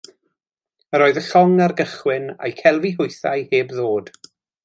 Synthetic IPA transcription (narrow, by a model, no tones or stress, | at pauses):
əɾoːɨðəɬɔŋarɡəχwɪna̰jkʰɛlˠviɦʊjθa̰jheːbðoːd̥